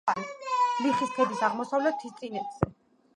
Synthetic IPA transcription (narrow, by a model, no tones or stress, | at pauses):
aɾisliχisp̪ʰɛb̪isaʁmɔsavlɛt̪ʰːist̪sʼinɛt̪z̥ɛ